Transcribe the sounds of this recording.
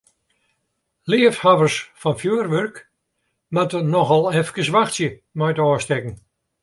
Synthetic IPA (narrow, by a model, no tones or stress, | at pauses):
liəfthavərsfɔnfjøːrʋørk | matənɔxɔlˠɛfkəsʋaxsjəmɔjtɔːstɛkn̩